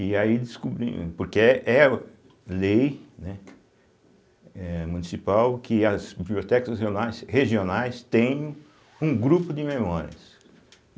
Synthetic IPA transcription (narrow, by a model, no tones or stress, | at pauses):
ɪaid̪ɪskubɾḭ̃poɾkeɛʔɛ | lejnɛ | ɛmũnisipawkʰɪɐzbibliot̪ɛkɐsɦeonajsheʒionajst̪ẽj̃ | ũɡɾupʊd̪ɪmẽmɔɾiɐ̰s